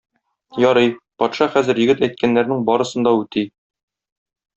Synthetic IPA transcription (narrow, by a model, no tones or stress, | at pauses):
jɒɾɤjpɒt̪ʃɑχæzɘ̆ɾjɘ̆ɡɘt̪æjt̪̚kænːæɾnɘŋbɒɾɤ̆sɤ̆nd̪ɑʉt̪i